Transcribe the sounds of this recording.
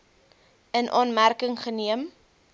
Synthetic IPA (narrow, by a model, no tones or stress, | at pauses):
ənʔɑːnmærkəŋχəniəm